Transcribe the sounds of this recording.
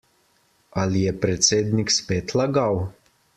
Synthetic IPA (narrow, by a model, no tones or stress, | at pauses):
alʲiɛpɾɛt̪sʲed̪ʲnʲikspɛt̪ʰlˠaɡaw